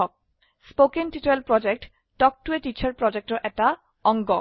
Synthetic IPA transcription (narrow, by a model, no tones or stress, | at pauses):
ɔk̚ | spokenʈiʈelpɾɔd͡ʑek̚ʈː | ɔk̚ʈueʈit͡ɕʰaɾpɾɔd͡ʑek̚ʈoʔɛk̚ʈa | ɔŋɡɔ